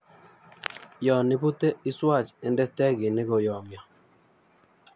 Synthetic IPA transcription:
jɔ˨nɪ˦pu˦te˦ɪ˦swa˦˨t͡ʃɛ˨ndɛ˦stɛ˦ɡɪ˨nɪ˦ɡɔ˨jɔ˨mjɔ˨

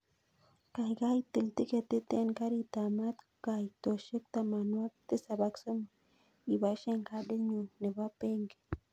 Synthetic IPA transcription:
ka˨jka˦jt̪i˨lt̪i˦ke˨t̪i˦t̪e˦nka˦ɾi˦t̪a˨ma˦t̪ | ka˨jt̪o˨ʃə˦k̚t̪a˨ma˨nwa˦k̚t̪i˦sa˨ba˧ksə˦ma˨ | i˨ba˨˦ʃe˦ŋka˦ɗe˦ɲu˨ne˨ba˦pe˦ŋɡe̥˨

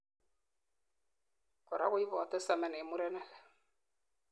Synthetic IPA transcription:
kɔ˨ɾa̰˦kʊ˦i˦vɔ˨tə˦sa˨mɛ˨ne˨mu˦ɾɛ˦nɛ˦l

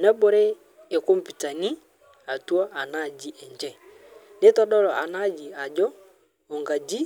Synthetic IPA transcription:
na˦bɔ˨˦ɾɛ˦ | e˨ko˦m̩˨pi˨ta˨ni˦ | a˨twɔ˦ʔa˨na˦˨d͡ʒi˦ʔɛ˨ɲd͡ʒɛ˦˨ | ne˦tɔ˦ɗɔ˦lɔ˨ʔa˨na˦d͡ʒi˨a˨d͡ʒɔ˦ | ɔ˨ŋɡa˨d͡ʒi˦

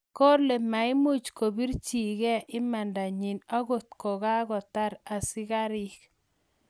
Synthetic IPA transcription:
ko˦rle˨ma˨ɪ˦mu˦˨t͡ʃko˨bi˦ɾt͡ʃi˨ɡɛ˦ʔɪ˦ma˨nda˨ɲi˨na˦ɡo˨t̪̚ko˨ɣa˦ɡɔ˨t̪a˦ɾa˨sɪ˦ka˦ɾɪ˦k

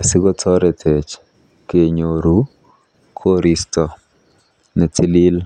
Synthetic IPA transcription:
a˨sɪ˦ɡɔ˦tʰɔ˦ɾɛtʰe˨t͡ʃ | ke˨ɲo˨ɾu | kʰo˦ɾistɔ˨ | nɛ˨ti˦li˦l

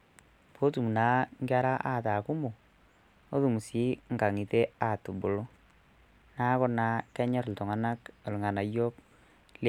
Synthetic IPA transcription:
pʰo˦tu˨m˨na˨˦ŋɡa˦ɾa˦ʔa̰˦˨ta˨ku˦mo˨ | o˦ðu˨mu˨si˦ŋɡa˨ŋi˨te˦a˨tu˨bo˨lo˦ | na˦kɔ˦na˨kɛ˦ɲɔ˦ɾltɔ˨ŋa˨na˦ko˨lu˨ŋa˨na˨jo˦k̚ | l

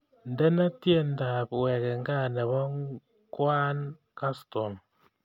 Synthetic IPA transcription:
n̩˨de˦na˦tje˦n̩˦da˨pwɛ˨ke˨ŋ˦ɡa˦˨ne˨bɔ˦ŋ | kwa˦n | ka˦sto˨m

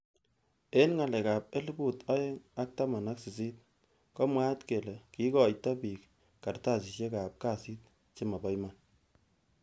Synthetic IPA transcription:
e˦nŋa˨lɛ˨ka˨p̚e˦lu˦bu˦˨tɔ˦je˦ŋa˦k̚ta˦ma˨na˦ksi˨s̬i˦t̚ | kɔ˦mwa˦tke˨le˨ki˦kɔ˨jta˦pi˨k | ka˨rta˦˨si˨ʃje˦ka˨p̚ka˦si˦t̚ | t͡ʃe˦ma˨ba˦jman

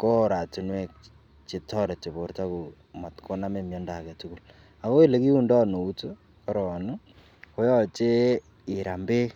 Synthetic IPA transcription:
ko˦˨ɾa˨tu˦nwɛ˦˨k̚ | t͡ʃe˨tɔ˦ɾe˨t͡ʃe˨βo˨ɾta˦ko˨ | ma˨tkʰo˦na˦me˨mjɔ˦nda˨kɛ˨tu˦ku˦˨l | a˨ko˦e˦˨le˨ki˦u˦ndɔ˦no˨u˦to˦ | ka˨ɾɔ˨nu˦ | ko˦jɔ˦t͡ʃe˦ | ɪ˨ɾa˨mbe˦

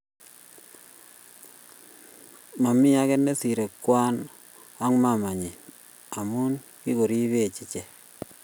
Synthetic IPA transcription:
ma˨mi˦ja˦ke˦nːe˦si˨ɾe˨kwa˦n | a˦ŋma˨ma˨ɲi˨ | a˨mu˦n | ki˦ko˨ɾi˦βe˦˨t͡ʃi˨t͡ʃe˨

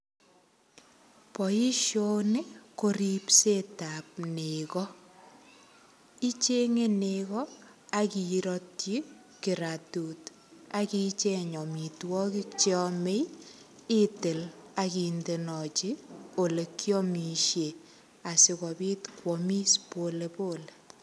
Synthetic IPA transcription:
pɔ˨i˦ʃo˦ne˦ko˦ɾipse˦ta˨p̚nekɔ˦ | i˦t͡ʃe˦ŋe˦nekɔ˦ | aki˨ɾɔtt͡ʃi˦ | kɪ˨ɾatu˨t | aki˦t͡ʃe˦ɲɔ˨mi˨twɔ˦ki˦kt͡ʃɔ˦me˦j | e˦te˨la˨ki˨nde˨nɔ˨t͡ʃi˦o˨le˨kjɔ˦mi˨ʃje˨ | a˨sɪ˨kɔ˨pi˦tkwɔmi˦spolepo˦le˨

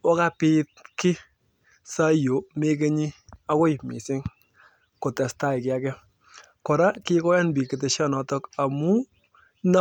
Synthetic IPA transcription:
wa˦ka˦pɪ˦t̚kɪ˦ | sa˦jo˨˦me˦k̬e˦ɲi˦ | a˦ko˦ɪ˨mɪ̰˨sɪ˦ŋ | ko˨tɛ˨sta˦˨ɪ˨kɪ˨a˦kɛ˦ | kɔ˨ɾa˦kɪ˦kɔ˦ja˦nbi˨kɪ˨te˨ʃa˦nɔ˨tɔ˦ka˨mu˦ | n˦

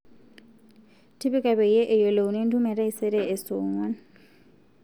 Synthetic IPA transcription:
tʰi˦bɪ˦kʼa˨bɛ˨jɛ˦ʔɪ˨jɔ˨le˨u˨ne˦n̩˦du˦mɛ˨ɾa˦i˦sɛ˦ɾɛː˦˨sʊːŋwa˦n

